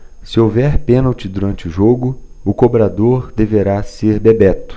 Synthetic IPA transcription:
sɪowvɛɾpẽnɐwt͡ʃɪd̪uɾɐ̃nt͡ʃɪʊʒoɡʊ | ʊkobɾad̪oɾd̪eveɾaseɾbebɛt̪ʊ̥

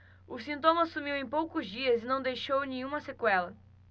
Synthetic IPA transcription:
ʊsĩnt̪õmɐsumiwẽj̃powkʊzd͡ʒiɐzinɐ̃w̃d̪ejʃownẽɲ̃ũmɐsekwɛlɐ

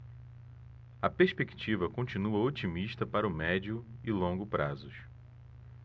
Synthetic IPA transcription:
ɐpeʃpekt͡ʃivɐkõt͡ʃinuɐot͡ʃimiʃt̪ɐpaɾɐʊmɛd͡ʒiʊɪlõŋɡʊpɾazʊʃ

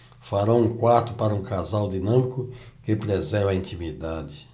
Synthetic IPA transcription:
faɾɐ̃ũkwaɾt̪ʊpaɾɐũkazawd̪inɐ̃mikʊkepɾezɛɾvɐĩnt̪imid̪ad̪ɪ

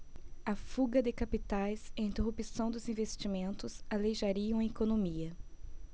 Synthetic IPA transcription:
ɐfuɡɐd̪ɪkapit̪ajzɪĩnt̪eɦupisɐ̃w̃d̪ʊzĩvest͡ʃimẽnt̪ʊsalejʒaɾiɐ̃w̃ekonõmiɐ

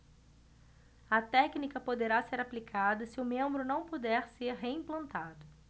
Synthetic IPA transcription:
ɐt̪ɛknikɐpod̪eɾaseɾaplikʰad̪ɐsɪʊmẽmbɾʊnɐ̃w̃pod̪ɛɾseɾɦeĩplɐ̃nt̪ad̪ʊ

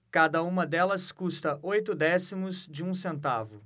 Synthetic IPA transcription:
kad̪ɐũmɐd̪ɛlɐskust̪ɐʔojt̪ʊd̪ɛsimʊzd͡ʒɪũsẽnt̪avʊ

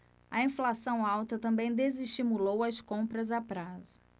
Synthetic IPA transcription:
ɐĩflasɐ̃w̃awt̪ɐt̪ɐ̃mbẽj̃d̪eziʃt͡ʃimulowɐskõmpɾɐzapɾazʊ

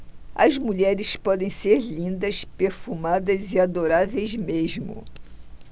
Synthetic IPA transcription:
ɐ̰zmuʎɛɾɪspɔd̪ẽj̃seɾlĩnd̪ɐspeɾfumad̪ɐziad̪oɾavejzmeʒmʊ̰

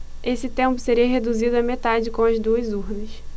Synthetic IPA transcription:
esɪt̪ẽmpʊseɾiɐɦed̪uzid̪ʊɐmet̪ad͡ʒɪkõɐzd̪uɐzuɾnɐs

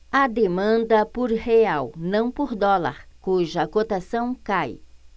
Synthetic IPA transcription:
ɐd̪emɐ̃nd̪ɐpoɾheawnɐ̃w̃poɾd̪ɔla̰ɾkuʒɐkot̪asɐ̃w̃kaj

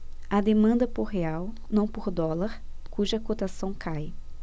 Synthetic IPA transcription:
ɐd̪emɐ̃nd̪ɐpoɾɦeaw | nɐ̃w̃poɾd̪ɔlaɾ | kuʒɐkot̪asɐ̃w̃kʰaj

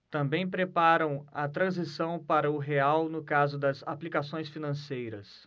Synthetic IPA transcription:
t̪ɐ̃mbẽj̃pɾepaɾɐ̃w̃ɐt̪ɾɐ̃zisɐ̃w̃paɾɐʊɦeawnʊkazʊd̪ɐzaplikasõj̃sfinɐ̃sejɾɐs

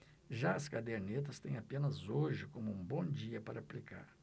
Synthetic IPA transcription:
ʒaɐskad̪eɾnet̪ɐst̪ẽj̃apẽnɐzoʒɪkõmʊũbõd͡ʒiɐpaɾɐːplika̰ɾ

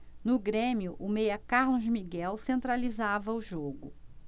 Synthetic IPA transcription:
nʊɡɾẽmiʊʔʊmejɐkaɾlõʒmiɡɛwsẽnt̪ɾalizavɐʊʒoɡʊ

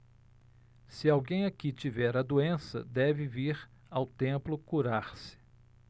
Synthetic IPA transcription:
sɪawɡẽj̃akit͡ʃivɛɾɐd̪uẽsɐ̰d̪ɛvɪviɾ | awt̪ẽplʊkuɾaɾsɪ̥

